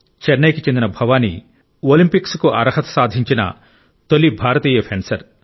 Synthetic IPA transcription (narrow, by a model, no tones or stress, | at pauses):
t͡ʃeɾnɐjkit͡ʃend̪inɐbʱɐʋaːnḭ | oːlimpikskuʔɐ̰ɾɐɦɐt̪ɐ̥saːd̪ʱiɲt͡ʃinɐ̰ | t̪olːibʱaːɾɐt̪iːjɐpʰensɐɾ